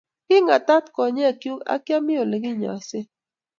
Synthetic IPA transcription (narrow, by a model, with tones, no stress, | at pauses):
kɪ˦ŋa˨t̪a˦t̪kɔ˨ɲe˦a˨kju˦ka̰˦kja˦mɪ˦o˨lɡɪ˦ɲɔ̰˨se˦